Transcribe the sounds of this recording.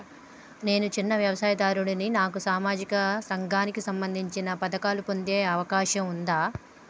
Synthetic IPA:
ne̞ːnut͡ʃinːɐʋjɐʋɐsaːjɐd̪aːɾuɽininaːkusaːmaːd͡ʒikɐsɐŋɡʱaːnikisɐmbɐnd̪ʱiɲt͡ʃinɐpɐd̪ɐkaːlupo̞nd̪e̞ːɐʋɐkaːʃɐmund̪aː

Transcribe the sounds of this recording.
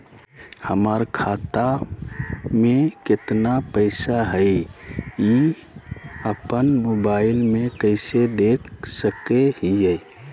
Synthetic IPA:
həməɾkʰat̪a | mekɪt̪napəɪsaɦəɪ | i | əpənmobaɪlmekəɪsed̪ekʰsəkeɦijəj

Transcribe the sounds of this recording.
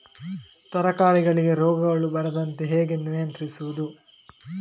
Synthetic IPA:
t̪ɐɾɐkaːɾiɡɐɭiɡeɾɔːɡɐɡɐɭubɐɾɐd̪ɐnt̪eɦeːɡe̞nijɐnt̪ɾisuʋud̪u

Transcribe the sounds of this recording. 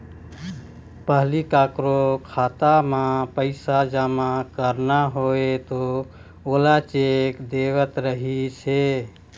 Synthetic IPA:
pəɦlikakɾokʰat̪amãpəɪsad͡ʒamakəɾnaɦoet̪o | olat͡ʃekd̪ewət̪ɾəɦise

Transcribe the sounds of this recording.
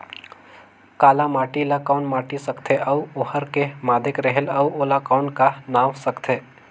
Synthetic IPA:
kaːlamaːʈilakaʊnmaːʈisəkt̪ʰeʔɐwohəɾkemaːd̪ʱɪkɾəɦelɐuoːlakaːnkanaːʋsəkt̪ʰeː

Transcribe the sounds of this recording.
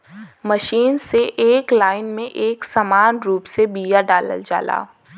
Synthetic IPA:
məʃiːnseʔeːklaːɪnmẽʔeːksamaːnɾuːpsebiːjaɖaːlə̰ld͡ʒa̰ːla̰ː

